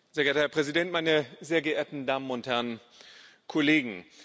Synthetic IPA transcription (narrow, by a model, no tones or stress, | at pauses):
z̥eːɐɡɛɐtəhɛɐpʁ̥ɛzidɛntmaɪnəzeːɐɡəʔeːɐtn̩daːmənʊnthɛɐnn | kʰɔleːɡŋ̩